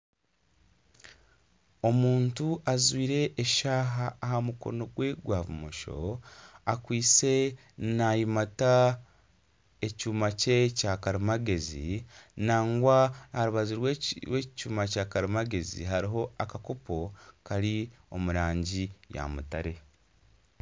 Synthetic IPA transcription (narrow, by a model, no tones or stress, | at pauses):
o̞muːntuʔazwiːɾe̞ʔːʃaːɦaːhamuko̞̰no̞ɡwe̞ɡwaːvumoʃo̞̰akwiːt͡se̞ | najimata | ecuːmacecakaɾimaɡe̞zḭnaːŋɡwahaɾuβaziɾweɾwe̞ːcuːmacaːkaɾimaɡe̞zḭɦaɾiɦo̞akakopo̞kaɾio̞̰muɾaːɲɟija̰mutaɾe̞